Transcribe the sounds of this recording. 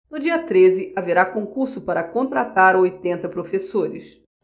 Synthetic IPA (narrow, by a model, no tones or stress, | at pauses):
nʊd͡ʒiɐt̪ɾezɪʔaveɾakõkuɾsʊpaɾɐkõnt̪ɾat̪aɾojt̪ẽnt̪ɐpɾofesoɾɪs